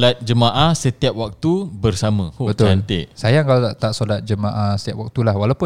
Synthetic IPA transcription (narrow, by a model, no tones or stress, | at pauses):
lat̪̚d͡ʒəmãʔahsət̪iap̚wak̚t̪ubərsamãkobət̪ʊant̪ɪʔsajaŋkalat̪aʔt̪aʔsolat̪̚d͡ʒəmãʔahsət̪iap̚wak̚t̪ulahwalawpʊ